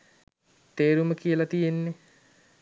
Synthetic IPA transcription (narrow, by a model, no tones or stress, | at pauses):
t̪eːɾuməkijəlat̪ijenːe